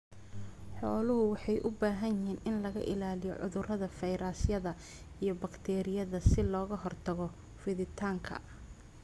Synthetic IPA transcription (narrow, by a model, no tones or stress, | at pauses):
ħɔːlʊɦʊwɑħɑjʔʊbaːɦɐnjɪɦiːnʔɪnlɐɣɐ̰ʔɪ̰laːlɪjɔ̰ʕʊ̰ðʊrɐðɐfɛjɾaːsjɐðɐ | ijɞbɐkt̪ʰɛːɾɪjɐðɐsɪlɔːɣɐɦɔrt̪ʰɐɣɔ | fɪðɪt̪ʰaːŋkʰɐ̰